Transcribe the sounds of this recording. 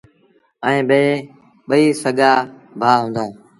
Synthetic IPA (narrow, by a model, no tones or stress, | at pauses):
əĩːɓeː | ɓəiːsəɠaː | bʱaːɦʊ̃ːnd̪õː